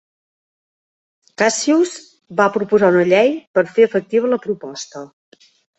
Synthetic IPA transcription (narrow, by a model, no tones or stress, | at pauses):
kasiuz | βapɾupuzaunəʎejpəɾfeəfək̚t̪iβ̞ələpɾupɔst̪ə